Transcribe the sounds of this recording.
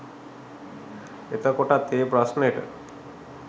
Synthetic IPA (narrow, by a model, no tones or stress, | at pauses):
et̪akoʈat̪epɾɔsneʈə̰ɾ